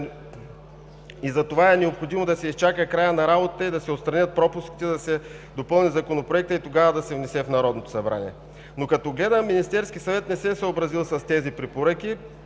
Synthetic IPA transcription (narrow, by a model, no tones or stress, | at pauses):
izɐt̪ovaɛnɛopxod̪imod̪ɐsɛist͡ʃakəkɾajənɐɾabot̪ət̪əid̪ɐsɛot̪st̪ɾɐnʲət̪̚pɾɔpuskʲi̥t̪ɛd̪ɐsɛ | d̪opɤlˠnʲizɐkonopɾoɛk̚t̪əit̪oɡavəd̪ɐsɛvnɛsɛfnɐɾɔd̪not̪o̥sɐbɾa̰niɛ | nokɐt̪ɔɡlɛd̪əmːinist̪ɛɾskʲisɐvɛt̪nɛsɛsəobɾɐzilˠsɐst̪ɛzipɾɛpoɾəki